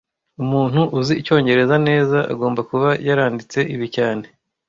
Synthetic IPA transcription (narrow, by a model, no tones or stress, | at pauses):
umuːn̥huʔuziico̞ːɲɟe̞ɾe̞zane̞ːzaʔa̰ɡo̞ːmbakuβajaɾaːndit͡se̞ʔiβicaːne̞